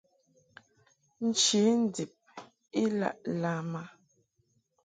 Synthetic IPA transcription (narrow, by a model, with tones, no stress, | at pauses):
n̩˨t͡ʃi˨˦n˦˨di˨p̚ | i˦la̰˦˨ʔla˨˦ma˨